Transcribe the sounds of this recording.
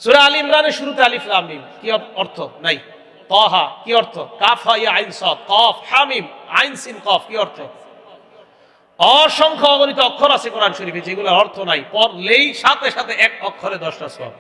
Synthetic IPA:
suɾealimɡaneʃuɾut̪ealifʰlamnimkiɔɔɾt̪ʰonaj | t̪ɔɦakiɔɾt̪ʰokafʰajaajnsɔt̪̚kɔfhamimajnsinkɔfkiɔɾt̪ʰo | ɔʃɔŋkʰɔɔɡonit̪ɔɔkʰːɔɾasʰekɔɾanʃoɾipʰet͡ʃʰeɡulaɾɔɾt̪ʰonajpɔɾlejʃat̪eʃat̪ʰeʔɛk̚ɔkʰːɔɾed̪ɔʃʈasɔ̰

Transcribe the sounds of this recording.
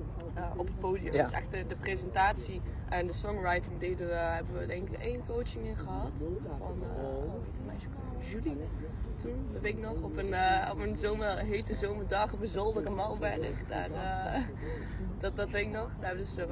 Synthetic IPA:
əʔɔpət̚powdiə̰̥sɛ̰χtədəprezɛntaːtsiʔɛndəsɔŋrajtɪŋdedəɦɛbəʋədɛŋkɪkejnkowt͡ʃɪŋɪnχəɦɑtfɑ̰n | etəmɛ̰jtəko | ʒyli | tun | vɪknɔχɔpənɔpənzomərɦejtəzowmədɑχbəzɔlˠdərəmɑlˠbɛnə̰kda̰ːrə | dɑdɑteknɔχdaːbədəsə

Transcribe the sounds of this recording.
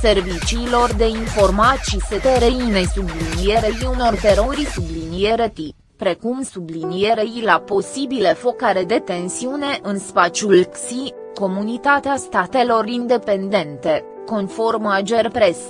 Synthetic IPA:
se̞rvit͡ʃiːlo̞rd̪e̞info̞rmat̪ʃiset̪eɾeinejsublinije̞ɾeɾiuno̞rt̪e̞ɾo̞ɾisublinije̞ɾet̪i | pɾe̞kumsublinie̞ɾeilapo̞sibilefo̞kaɾe̞d̪e̞t̪e̞nsiune̞ʔɨnspat͡ʃulksi | ko̞munit̪at̪east̪at̪e̞lo̞ɾind̪e̞pe̞nd̪e̞nt̪e̞ | ko̞nfo̞rmad͡ʒe̞rpɾe̞s

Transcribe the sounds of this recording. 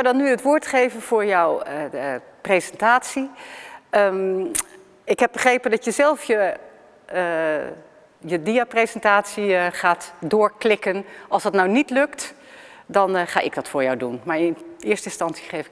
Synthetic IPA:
adɑnːyətʋʊːɹtχejvənv̥ʊːɹjɔwə | prejzɛntaːtsi | ə | ɪkɦɛp̚bəχrejpəndɑtjəzɛlˠfjə | jədiaprezɛntaːtsiχaːtdʊːɹklɪkənɑlˠsdɑtnawnitlɵkt | dɑnχa̰ːʔɪ̰ɡ̚dɑtfʊːɹjɔwdunmaːɹɪnɪːɹstəɪnstɑnsi̥χejfɪ

